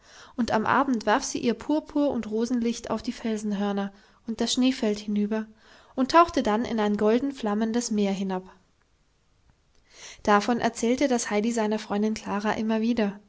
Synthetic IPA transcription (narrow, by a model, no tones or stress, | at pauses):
ʔʊnta̰mʔa̰ːbm̩tv̥aɐfz̥iːʔiːɐpʰuːɐpʰuːɐʊ̰ntʁoːzn̩lɪçta̰ʊfd̥iːfɛlzn̩ɦœɐnɐ | ʔʊnt̚d̥asʃneːfɛlthɪnyːbɐ | ʔʊntʰːaʊxtədanɪ̰naɪnɡɔldn̩fl̥aməndəsmeːɐɦɪnap | d̥afɔnʔɛ̰ɐt͡sɛːltədashaɪdizaɪnɐfʁ̥ɔʏndɪnkʰl̥aːʁaʔɪmɐviːdɐ